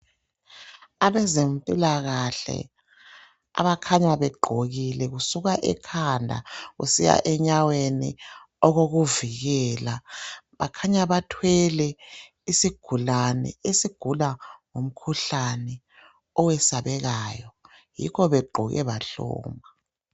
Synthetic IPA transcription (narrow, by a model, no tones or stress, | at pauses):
aβɛzempʼilaɣaɬɛ̰ | a̰βakʰaɲaβɛɡ͡ǃʱoɣilɛɣusuɣaʔɛkʰandʱa̰ɣṵsija̰ʔɛɲawenḭ | ɔɣoɣuviɣɛːlaβakʰaɲaβatʰwɛlɛ | isiɡ̥ʱulanɛ̰esiɡ̥ʱulaŋom̩kʰuɬanɛ | ɔwɛsaβɛɣaːjɔ | jḭkɔβɛɡ͡ǃʱuɣɛ̰βaɬṵːma